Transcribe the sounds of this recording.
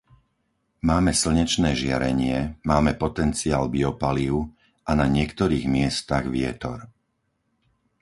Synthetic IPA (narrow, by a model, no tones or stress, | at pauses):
maːmɛsl̩ɲɛt͡ʃnɛːʒɪa̰ɾɛɲɪɛmaːmɛpɔt̪ɛnt͡siaːlbiɔpaliʊ | ʔanaɲɪɛkt̪ɔɾiːɣmɪɛst̪aɣʋɪɛt̪ɔ̰ɾ